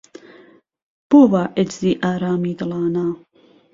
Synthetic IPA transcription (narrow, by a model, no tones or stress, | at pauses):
b̥oːbaːʔed͡ʒziːʔaːɾaːmiːd̪ɨlaːnaː